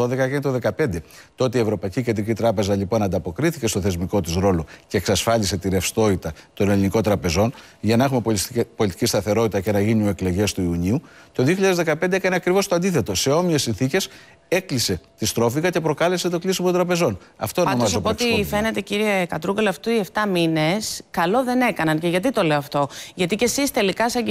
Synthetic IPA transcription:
oðe̞kɐekɐnit̪oðe̞kɐpe̞nd̪e̞ | t̪oo̞t̪eie̞vɾo̞pɐiciced̪ɾicit̪ɾɐpe̞zɐlipo̞nɐnd̪ɐpo̞kɾiθice̞st̪oθe̞zmiko̞t̪usɾo̞lo̞ce̞ːksɐsfɐʎise̞t̪iɾe̞fst̪o̞it̪ɐt̪o̞neliniko̞t̪ɾɐpe̞zo̞n | ʝɐnɐe̞xume̞po̞lit̪i̥cist̪ɐθe̞ɾo̞t̪it̪ɐce̞nɐʝinioekle̞ʝe̞st̪uiuɲiut̪o̞ðioçiʎaðezðe̞kɐpend̪eekɐneɐkɾivo̞st̪oɐnd̪iθe̞t̪o̞se̞o̞mie̞sːinθice̞s | e̞klise̞t̪ist̪ɾo̞fiɣɐce̞pɾo̞kɐle̞set̪o̞klisimot̪d̪ɾɐpe̞zo̞n | ɐ̰ft̪oɐomɐzpoot̪ife̞ne̞t̪e̞ciɾiekɐt̪ɾuɣloɐft̪uie̞ft̪ɐmine̞skɐlo̞ðe̞ne̞kɐnɐnce̞ʝɐt̪̬it̪o̞le̞oɐft̪o̞ʝɐt̪ice̞sist̪e̞likɐsɐ

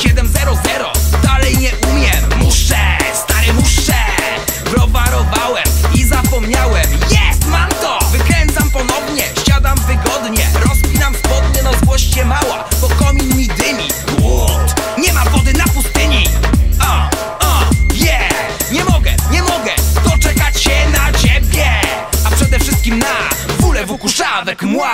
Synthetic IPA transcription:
ɕɛd̪ɛmzɛɾɔzɛɾɔd̪alɛjɲɛʔumʲjɛmmuʂɛst̪aɾɪmuʂɛ | bɾɔvaɾɔvawɛmizapɔmɲawɛmjɛst̪mamt̪ɔvɘkɾɛnt̪sampɔnɔvɲɛɕad̪amvɘɡɔd̪ɲɛ̰ɾɔspʲinamzvɔd̪̚ɲɛnazɡwɔɕt͡ɕɛmawabɔkɔmʲimɲiɡd̪ɘmʲi | utɲɛmavɔd̪ɘnapust̪ɪɲiɔ | ɔjɛ | ɲɛmɔɡɛ̰ɲɛmɔɡɛd̪̥ɔt͡ʂɛkat͡ɕɕɛnat͡ɕebʲjɛapʂɛd̪ɛfʂɘst̪̚kʲimnabulɛvukuʂavɛkmwa

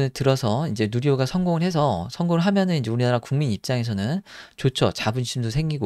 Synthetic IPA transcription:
ɯtɯɾʌsʰʌind͡ʑe̞nuɾjoɡasʰʌnɡoŋɯɭhe̞s̬ʰʌsʰʌŋɡoŋɯɭɦamjʌnɯnind͡ʑe̞uɾinaɾakuŋminip̚t͡ɕ͈aŋe̞sʰʌnɯnt͡ɕot͡ɕʰo̰t͡ɕabɯnɕʰimdʰosʰe̞ŋɡiɡo

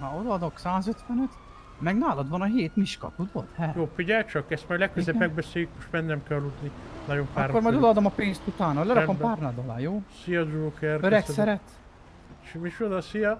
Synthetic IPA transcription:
hɒod̪ɒːd̪o̞ksaːzøt̪ʋɛnøt̪ | mɛɡnaːlɒd̪ʋɒnɒɦeːt̪miʃkɒ̰t̪ud̪ot̪hɛjoːfiɟɛlt͡ʃɒkɛst̪maːɾlɛkkːøzepmɛɡ̚bɛseːjyk̚moʃt̪bɛnːɛmkɛlːut̪ninɒɟompaːɾrːoɾmɒjd̪od̪ɒːd̪omɒpeːnst̪ut̪aːnɒlɛɾɒkompaːrnad̪ɒla̰ːjoːsijɒd͡ʒuːkɛrøɾɛksɛɾɛt̪ | ʃmit͡ʃod̪ɒsijɒ

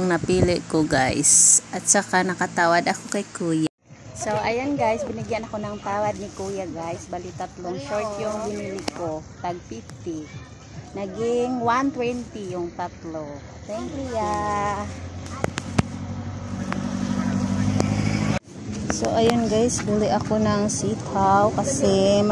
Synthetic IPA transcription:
ŋnɐpiːlɪʔkoɡajsʔɐt̪̚sɐkanɐkɐt̪aːwɐd̪ɐkokɐjkuːja | soʔɐjonɡajsbɪnɪɡjanɐkonɐŋt̪aːwɐd̪̚nɪkuːjaɡajsbalit̪at̪loŋʃoɹt̪jʊŋbɪniːlɪkot̪ɐɡ̚fift̪ɪ | nɐɡɪŋwant̪wɛnt̪ijʊŋt̪at̪lo | t̪ɛŋkjuja | so̰ʔɐjonɡajsb̪ʊlɪʔɐko̞nɐŋsit̪hawkɐsɛm

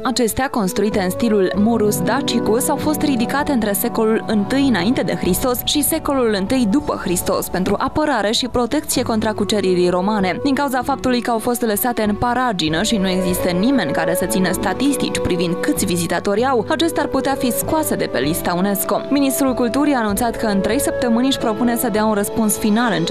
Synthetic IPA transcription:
at͡ʃe̞st̪eako̞nst̪ɾuit̪e̞ɨnst̪ilulmuɾusd̪at͡ʃikusawfo̞st̪ɾid̪ikat̪eɨnt̪ɾese̞ko̞lulɨnt̪ɨjɨnaint̪e̞d̪e̞̰xɾist̪o̞sʃise̞ko̞lulɨnt̪ɨjd̪upə̰xɾist̪o̞̰spe̞nt̪ɾuʔapəɾaɾe̞ʃipɾo̞t̪e̞k̚t̪sie̞ko̞nt̪ɾakut͡ʃeɾiɾijɾo̞mane̞d̪iŋkawuzafap̚t̪ulujkəawfo̞st̪ləsat̪e̞ɨnpaɾad͡ʒinəʃinue̞ɡzist̪ənime̞nʲkaɾe̞sət̪sinəst̪at̪ist̪ḭt͡ʃʲpɾivind̪kɨt̪sʲvizit̪at̪o̞ɾʲawat͡ʃe̞st̪earput̪eafiskuase̞d̪e̞pe̞̰list̪aune̞sko̞minist̪ɾulkult̪uɾiaːnunt̪sat̪kəɨnt̪ɾe̞jsəp̚t̪əmɨnʲɨʃʲpɾo̞pune̞səd̪eaunrəspunsfinalɨnt͡ʃ

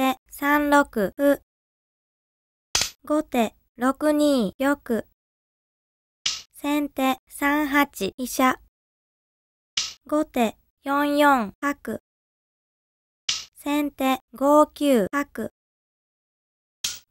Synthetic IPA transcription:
t̪esãnɾo̞kɯ̟ɸɯ̟ | ɡo̞t̪e̞ | ɾo̞kɯ̟ɲ̟iːjo̞kɯ̟ | sẽ̞nt̪e̞sãɰ̃ɦat͡ɕiiɕa | ɡo̞t̪e̞ | jõ̞ɰ̃jõ̞ŋhakɯ̟ | sẽ̞nt̪e̞ɡo̞ːkʲɨːhakɯ̟

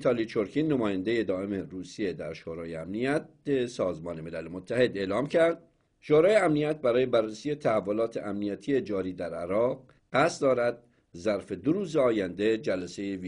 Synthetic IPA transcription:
t̪ʰɑlit͡ʃʰoɾkʰinːemɒːjænd̪e̞je̞d̪ɒːe̞meɾuːsije̞d̪æɾʃoːɾɒːjeæmnijæt̪̚besɒːzmɒːne̞me̞lælemot̪ʰːæhe̞d̪e̞ːlɒːmcʰæɾd̪̚ | ʃoːɾɒːjeæmnijæt̪̚bæɾɒːje̞bærːesiːje̞t̪ʰæhævːo̞lɒːt̪ʰeʔæmnijæt̪ʰije̞d͡ʒɒːɾiːd̪æɾæɾɒːʁ | ɢæst̪d̪ɒːɾæd̪̚ | zæɾfe̞d̪oɾuːzeɒːjænd̪e̞d͡ʒælæse̞jevi

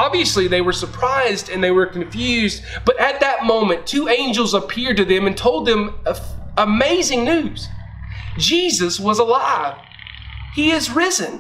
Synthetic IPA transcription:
ɑbviɨsliðeɪwə˞sə˞pʰɹ̥aɪzdɨ̃nðeɪwə˞kɨ̃ɱfjʉzdb̥ʌɾɨt̪̚ðɨt̚mõʊ̃mɨ̃ntʰʉẽɪ̃nd͡ʒl̩ˠzəpʰɪɹd̚tɨðɨ̃mɨ̃ntʰoʊlˠd̪̚ðɨ̃məfəmeɪzɪ̃ŋnʉz̥ | d͡ʒizɨswʌzəlaɪv̥ | hiɪzɹɪzɨ̃n

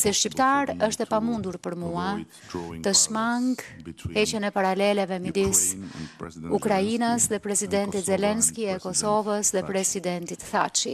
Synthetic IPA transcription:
sɛʃcipt̪aɾəʃt̪ɛpamund̪uɾpəɾmua | t̪əʃmaŋɡhɛcɛnɛpaɾalɛlɛvɛmid̪is | ukɾainəsðɛpɾɛsid̪ɛnt̪it̪zɛlɛnskiɛkɔsɔvəsðɛpɾɛsid̪ɛnt̪it̪θa̰t͡ʃḭ

